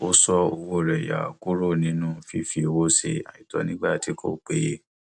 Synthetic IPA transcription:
o˦sɔ˧o˧wo˦˨ɾɛ˨ja̰˨ku˦ɾo˦˨nĩ˦nũ˦fi˨˦fi˧o˧wo˦se˧˨a˨i˨tɔ̰˨˦nĩ˦ɡ͡ba˦˨ti˨˦kʰo̰˦˨k͡pe˦

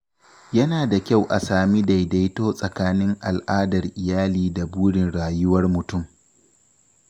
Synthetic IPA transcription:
jɐ˦naː˨da˨kʲa˦˨wʔa˨saː˨mi˦da˨jda˦jtoː˦sʼɐ˨kaː˦nɪ˦ŋʔa˨lʔaː˦dɐ˨rʔɪ˨jaː˦liː˦da˨buː˦ɽɪ˨nɽaː˨jʊ˦wɐ˦rmʊ˨tʊ˦˨m

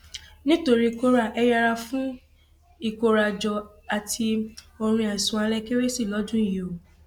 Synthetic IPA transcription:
nĩ˦to˧ɾi˦˧ko˦ɾa˨ʔɛ˧ja˧ɾa˧fũ˦ | i˦˨ko˨˧ɾa˨d͡ʒɔ˧ | a˨tʰi˧ | o˧ɾ̃ĩ˧a˨i˨sũ˨a˧lɛ˧ke˦we˦si˦˨lɔ˨˦d͡ʒũ˦i˦˨ji˨o˨

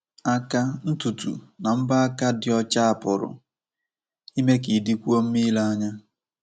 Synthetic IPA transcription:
a˦ka˦n̩˦tu˨tṵ˨na˨m̩˦ba˦a˦ka˦dɪ˨ɔ˦t͡ʃa˦a˨pʊ˨ɾʊ̰˨ | i˦me˦ki˨di˦kʷu˦o˦m̩˦mi˦la˦a˦ɲa˦

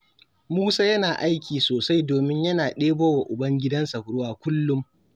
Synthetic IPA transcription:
muː˦saː˦jɐ˦naː˨ʔa˦jkʲiː˨soː˨sa˦jdoː˨mɪ˦ɲjɐ˦naː˨ɗeː˦boː˦wa˨ʔʊ˨bɐ˦ŋɡʲɪ˦dɐ˦nsɐ˨kʊ˨ɽʊ˦waː˦kʷʊ˦lːʊ˦m

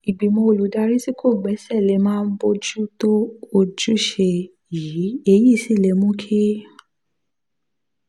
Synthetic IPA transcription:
i˨ɡ͡bi˨˦mõ˧o˨lu˨˦da˧ɾi˦ti˦kʰo˦˨ɡ͡bɛ˨˦sɛ˦˨le˨˦mãː˦n̩˦bo˧d͡ʒu˦to˦o˧d͡ʒu˦ʃe˧ | ji˨˦e˧˦ji˦˨si˨˦˨le˧˦mũ˦kʰi˦

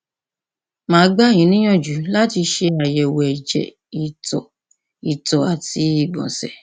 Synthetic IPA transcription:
mãː˨˦ɡ͡ba˦ɲĩ˨˦nĩ˦j̃ɔ̃˦˨d͡ʒu˨˦la˦ti˧ʃe˧a˨jɛ˨wd͡ʒɛ̰˨ | i˨tɔ˨ | i˨tɔ˨a˨ti˧i˦˨ɡ͡bɔ̰̃˨sɛ̰˨

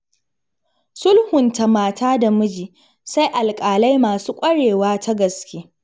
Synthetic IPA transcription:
sʊ˦lhʊ˨nta˨maː˨tʰaː˦da˨mʊ˦d͡ʒiː˨ | sa˦jʔa˨lkʼaː˨la˦jmaː˨suː˦kʷʼɐ˦ɽeː˨waː˦tʰa˦ɡɐ˨skʲeː˦

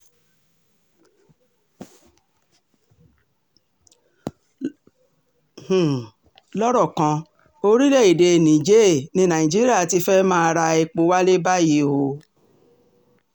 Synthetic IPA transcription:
h̩˨ | lɔ˦ɾɔ˦˨kã˧ | o˧ɾi˦lɛ˦˨i˨de˧˨nĩ˨d͡ʒe˦˨nĩ˨˦nã˨ĩ˨d͡ʒi˦ɾi˦a˦˨ti˧fɛ˦mãː˦˧ɾa˧e˧k͡po˧wa˦le˦ba˦ji˧˦ho˧

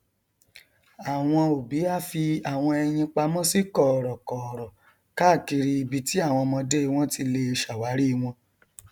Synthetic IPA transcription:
a˨w̃ɔ̃˧o˨bi˨˦a˦˨fi˧a˨w̃ɔ̃˧ɛ˧j̃ĩ˧k͡pa˧mɔ̃˦si˦kɔ˦˨ɾɔ˨kɔ˨ɾɔ˨ | ka˦˨ki˧ɾi˧i˧bi˧ti˦a˦˨w̃ɔ̃˧mɔ̃˧de˦i˧w̃ɔ̃˦tʰi˧le˧e˧ʃa˨wa˨˦ɾi˦˧w̃ɔ̃˧

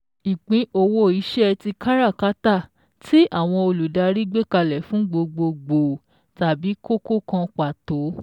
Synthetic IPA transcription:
i˨k͡pĩ˨˦ʔo˧wo˦i˨˦ʃɛ˦ti˧ka˦ɾa˦˨ka˦ta˦˨ | tʰi˦ʔa˦˨w̃ɔ̃˧o˧lu˨da˧ɾi˦ɡ͡be˦˨ka˧lɛ˨fũ˨˦ɡ͡bo˧ɡ͡bo˧ɡ͡bo˨ | ta˨bi˨˦ko˦ko˦kã˧k͡pa˨to˨˦

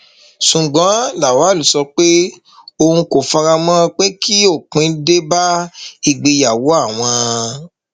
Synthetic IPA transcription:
ʃũ˨ɡ͡bã˨˦la˨wa˨˦˨lu˨˦sɔ˧k͡pe˦ | o˧ũ˧ko˨fa˧ɾa˧mɔ̃˦˧k͡pe˦kʰi˦o˦˨k͡pĩ˨˦de˦ba˦i˦˨ɡ͡be˧ja˨wo˨˦a˦˨w̃ɔ̃˧

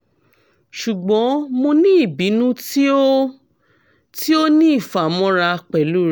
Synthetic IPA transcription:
ʃu˨ɡ͡bɔ̃˨˦mo˧nĩ˦i˦˨bi˨˦nũ˦ti˦o˦ | ti˦o˦nĩ˦i˦˨fa˨mɔ̃˦ɾa˧k͡pɛ˨lu˦ɾ

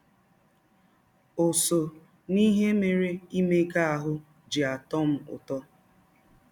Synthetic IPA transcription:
o˨so˨ | ni˦ɦe˦me˨ɾe˦i˦me˦ɡa˦a˨ɦʊ˦ | d͡ʒi˨a˨tɔ˦m̩˦ʊ̰˨tɔ˦

